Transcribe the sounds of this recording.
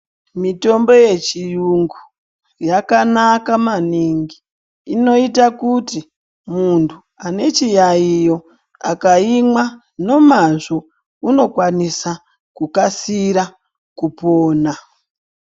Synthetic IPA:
mito̞mbo̞je̞t͡ʃijuŋɡu | jakanakamaniŋɡiː | no̞itakuti | muntʰu | ane̞t͡ʃijaijo̞ | akaimwa | no̞maʐo̞ | uno̞kwanisa | kukasiɾa | kupo̞ːna

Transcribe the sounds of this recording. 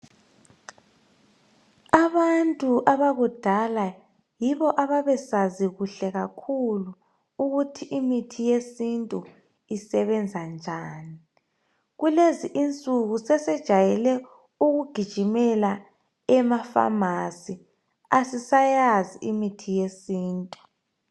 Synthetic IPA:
aβantʼuʔaβaɣud̥ʱala | jiβɔʔaβaβɛsaziɣuɬɛɣakʰulu | uɣutʰiʔimitʰijesintʼu | isɛβɛnd͡zʱand͡ʒʱaːni | ɣuleziʔint͡sʼuɣusɛsɛd̥ʒ̥ʱajɛlɛ | uɣuɡ̥ʱid̥ʒ̥ʱimɛla | ɛmafa̰masi | asisajaziimitʰijesiːntʼu

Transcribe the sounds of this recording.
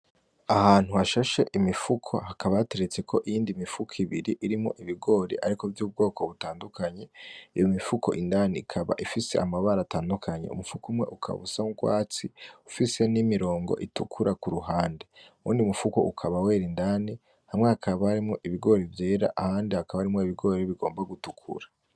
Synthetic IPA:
ahaːn̥huaʃaʃe̞ʔimifukʰo̞̰hakaβaateɾe̞t͡se̞kʰo̞ʔijiːndimifukʰiβiɾiʔiɾimŋo̞̰ʔiβiɡo̞ːɾḭʔaɾikovjuːb̚ɡo̞ːkʰo̞βutaːndukʰaɲe̞ijomifukʰo̞̰ʔindaniikʰaβa̰ʔifise̞amaβaɾataːndukʰaɲḛṵmufukumŋe̞ʔukʰa̰βusamuɡwa̰ːt͡siufise̞nimiɾo̞ːŋɡo̰ʔitukʰuɾʔakuɾuɦaːnde̞ṵːndiumufuko̰ʔukʰaβawe̞ːɾindaːni | hamŋe̞hakʰaβahaɾimŋo̞ʔiβiɡo̞ːɾivje̞ːɾa̰ʔahaːndihakaβaaɾimŋo̞iβiɡo̞ːɾeβiɡo̞ːmbaɡutukʰṵɾa

